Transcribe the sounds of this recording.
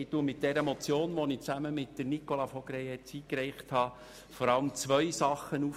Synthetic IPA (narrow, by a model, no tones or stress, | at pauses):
ɪtuəmɪt̚d̥ɛɾəmɔt͡sjoːnʋɔnɪt͡sæməmɪt̚d̥əɾnikolɑfɔɡɾɛjɛt͡siːkɾɛɪχthɑː | fɔɾɑləmt͡sʋœjsɑχːənuf